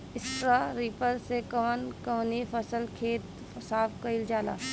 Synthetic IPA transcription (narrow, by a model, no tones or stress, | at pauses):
ɪsʈɾaːɾiːpəɾsekəmənkəʋnifəsəlkʰeːt̪ | saːfʰkɐɪld͡ʒaːla̰ː